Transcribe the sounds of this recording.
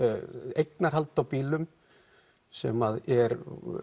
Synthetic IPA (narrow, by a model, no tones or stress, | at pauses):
ejknaɾ̥ɦalt̪awpiːlʏm | sɛ̰maðɛɾ